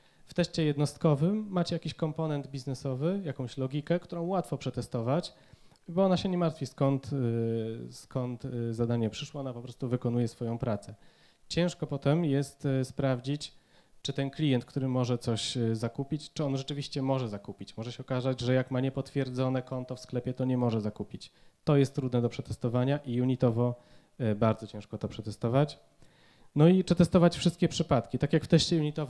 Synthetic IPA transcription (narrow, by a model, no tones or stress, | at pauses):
ft̪ɛʂt͡ɕɛjɛd̪nɔst̪̚kɔvɘmːat͡ɕɛjakʲiɕkɔmpɔnɛnd̪bʲiznɛsɔvɘjakɔ̃w̃ɕlɔɡʲikɛkt̪uɾɔ̃w̃wat̪fɔpʂɛt̪ɛst̪ɔvat͡ɕ | bɔɔnaɕɛɲɛmaɾt̪fʲiskɔnt̪ | skɔnt̪zad̪aɲɛpʂɘʂwɔɔnapɔpɾɔst̪uvɘkɔn̪ujɛsfɔjɔ̃w̃pɾat̪sɛ | t͡ɕɛ̃w̃ʂkɔpɔt̪ɛmjɛst̪spɾavd͡ʑit͡ɕ | t͡ʂɨt̪ɛnklʲijɛnt̪̚kt̪uɾɘmɔʐɛt̪sɔɕzakupʲit͡ɕt͡ʂɨɔnʐɛt͡ʂɘvʲiɕt͡ɕɛmɔʐɛzakupʲit͡ɕmɔʐɛɕɛɔkazad͡ʑʐɛjakmaɲɛpɔt̪fʲjɛɾd̪zɔnɛkɔnt̪ɔfsklɛpʲjɛt̪ɔɲɛmɔʐɛzakupʲit͡ɕt̪ɔjɛst̪ːɾud̪nɛd̪ɔpʂɛt̪ɛst̪ɔvaɲaʔijuɲit̪ɔvɔ | baɾd̪zɔt͡ɕɛ̃ʂkɔt̪ɔpʂɛt̪ɛst̪ɔvat͡ɕ | nɔipʂɛt̪ɛst̪ɔvat͡ɕfʂɘst̪̚kʲɛpʂɘpat̪kʲit̪akʲjakft̪ɛɕt͡ɕɛjuɲit̪ɔv